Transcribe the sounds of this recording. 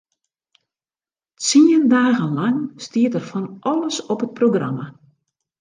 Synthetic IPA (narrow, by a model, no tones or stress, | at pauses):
t͡siəndaːɣənlaŋstiətərfɔnʔɔlˠəsɔpət̚proɡra̰ma